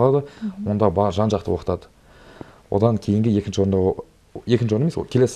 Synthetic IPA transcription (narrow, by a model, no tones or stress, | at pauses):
lˠɑd̪əwo̞nd̪ɑbɑʒɑnʒɑqt̪əwo̞qət̪ɑd̪ə | wo̞̰d̪ɑŋkʲʰe̞jɪŋɡʲɪje̞kʲɪnʃɪwo̞ɾnd̪ɑ | e̞kʲɪnʃɪoɾnemeskʲʰe̞le̞s